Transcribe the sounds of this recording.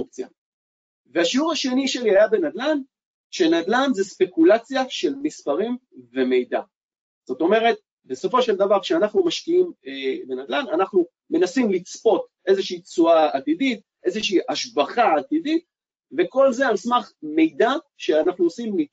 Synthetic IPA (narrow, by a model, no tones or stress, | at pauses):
up̚t͡sja̰ | veaʃiuʁhaʃe̞niʃe̞liajabe̞nad̪lan | ʃe̞nad̪lanzespekulat͡sjaʃe̞lmispaʁimve̞me̞jd̪a | z̥o̞t̪o̞me̞ʁe̞t̪̚ | be̞so̞fo̞ʃeld̪avaʁkʃeanaχnumaʃkiimebenad̪lananaχnu | me̞nasimlit͡spo̞tʔe̞zeʃiːt͡suaːt̪idit̪ | ʔe̞zeʃiːʔaʃbaχaːt̪idit̪̚ | ve̞ko̞lze̞amsmaχme̞jdaʃe̞anaχnuosimli